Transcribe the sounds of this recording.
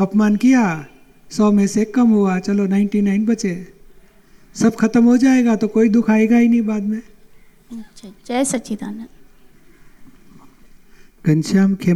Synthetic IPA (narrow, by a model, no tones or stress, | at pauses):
ɐpmaːnkija | sɔːmẽsekɐmɦʊat͡ʃɐlonaɪ̃ɳʈinaːɪnbɐt͡ʃe | sɐbkʰɐt̪əmɦod͡ʒaːeːɡat̪okoːid̪ʊkʰaːeɡaɦinɦĩbaːd̪mẽ | ʃʰat͡ʃasɐt͡ʃit̪a̰n | ɡ̥ɐ̃nʃaːmkʰe